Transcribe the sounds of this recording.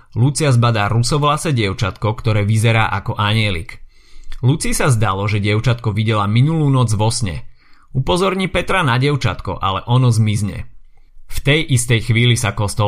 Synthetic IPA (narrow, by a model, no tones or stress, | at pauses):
lut͡sɪazbad̪aːɾusɔʋlasɛɟɪɛʊt͡ʃat̪kɔkt̪ɔɾɛːʋizɛɾaːʔakɔʔaɲɪɛlḭk | lut͡siːsazd̪alɔʒɛɟɪɛʊt͡ʃat̪̚kɔʋiɟɛlaminuluːnɔd͡zʋɔsɲɛ̰ | upɔzɔɾɲiːpɛt̪ɾanaɟɛʊt͡ʃat̪kɔ̰ʔa̰lɛʔɔnɔzmizɲɛ̰ | ft̪ɛjʔist̪ɛjxʋiːlisakɔst̪ɔ